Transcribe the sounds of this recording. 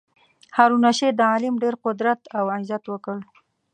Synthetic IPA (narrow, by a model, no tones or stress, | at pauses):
haɾunaʃed̪əɑlɪmɖeɾqʊd̪ɾat̪awazat̪wəkəɽ